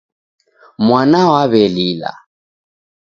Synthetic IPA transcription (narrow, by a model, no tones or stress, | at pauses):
mwanawaβɛlila̰